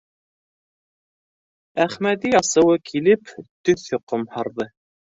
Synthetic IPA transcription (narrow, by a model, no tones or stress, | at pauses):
æχmæd̪iɑsɤ̆wɤkʰilɘpt̪ɵθjŏqomhɑɾðɤ